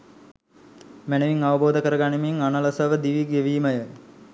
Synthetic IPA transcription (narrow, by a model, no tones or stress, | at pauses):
mɛnəʋiŋaʋəboːd̪əkəɾəɡanimiŋanələsəʋəd̪iʋiɡeʋiːməjə